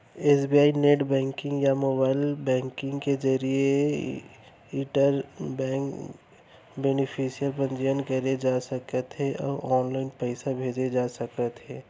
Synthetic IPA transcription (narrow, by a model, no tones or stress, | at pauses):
eːsbiaːineːʈbɛ̃ːŋkɪ̃ŋɡjamoːbaːɪlbɛ̃ːŋkɪ̃ŋɡked͡ʒɐɾie | iːʈəɾbɛ̃ːŋk | beːnɪpʰisijəɾpə̃nd͡ʒijənkəɾed͡ʒaːsɐkət̪ɦeʔɔ̰ːɾɔːnlaːɪnpɛɪsabʱeːd͡ʒed͡ʒaːsɐkət̪ɦẽː